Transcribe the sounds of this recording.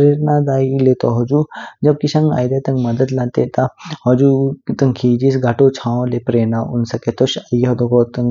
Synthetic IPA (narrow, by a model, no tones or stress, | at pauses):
ɾeɾnad̪aːilet̪oɦɐd͡ʒuːd͡ʒɐb̚kiʃɐŋɡa̰ːjd̪et̪ɐŋɡmɐd̪əd̪lɐ̃nt̪et̪ɐhɔd͡ʒut̪ɐŋkʰiːd͡ʒisɡʱɐʈot͡ʃʰãːõlepɾeːnaʊnsɐket̪oʃajɦɐd̪oɡɔːt̪ɐŋ